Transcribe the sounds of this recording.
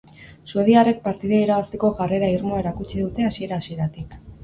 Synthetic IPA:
sue̞ð̞iare̞k̚paɾt̪iðaiɾaβast̪e̞ko̞ʝare̞ɾaiɾmoaeɾakut͡ʃiðut̪e̞asie̞ɾaːsie̞ɾat̪ik

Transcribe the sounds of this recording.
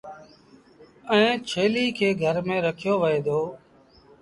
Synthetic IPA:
ɛ̃ːt͡ʃʰeːliːkʰeːɡʱəɾmẽːɾəkʰɪjoːʋəeːd̪oː

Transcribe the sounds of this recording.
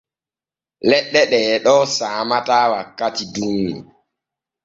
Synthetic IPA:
lɛɗːɛɗɛːɗɔsaːmataːwakːatidumnḭ

